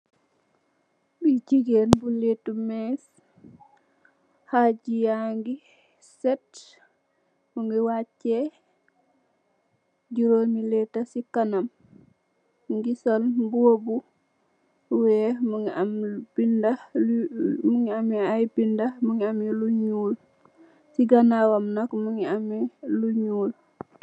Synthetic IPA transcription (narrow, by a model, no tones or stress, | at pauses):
bit͡ʃiɡenbuletumɛs | had͡ʒijaŋɡi | sɛt | muŋɡiwacːɛ | ɟuɾomilɛtːasikanam | ŋɡisolmbuobu | wɛmuŋiambinda | muŋiamiajbindamuŋiamiluɲuːl | siɡanawamnakmuŋiamiluɲuːl